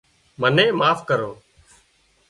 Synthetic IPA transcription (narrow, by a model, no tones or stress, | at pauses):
mənẽːmaːfkəɾoː